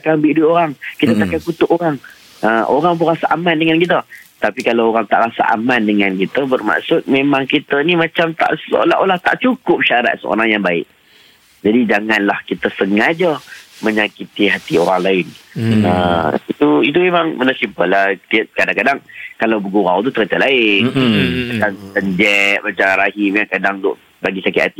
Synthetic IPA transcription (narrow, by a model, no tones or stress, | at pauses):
akambiʔduoɾaŋkit̪ət̪akankut̪ʊʔoɾaŋ | əʔoɾaŋbəɾasaʔamandəŋankit̪ət̪apikalawoɾaŋt̪aʔɾasa̰ʔa̰mandəŋankit̪əbərma̰ʔsʊt̪̚memãŋkit̪ənimat͡ʃamt̪a̰ʔso̰laʔolaht̪a̰ʔt͡ʃukʊp̚ʃaɾa̰t̪̚sə̰o̰ɾaŋjaŋbaɪ̰ʔ̚ | d͡ʒadid͡ʒaŋanlahkit̪əsəŋad͡ʒəməɲakit̪iɦat̪ioɾaŋlaɪnəit̪uit̪̬umemaŋmənasimpəlaht̪iaʔ̚kadaŋkadaŋkalawbəɡuɾawt̪̬ut̪əɾət̪əlaɪnkant̪əɲd͡ʒɛʔ̚mat͡ʃaŋɾahimeakadaŋdʊ̰ʔ | baɡisakɪt̪at̪i